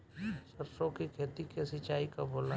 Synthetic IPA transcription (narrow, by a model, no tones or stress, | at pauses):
səɾsõkikʰeːt̪ikesɪt͡ʃaːikaboːlna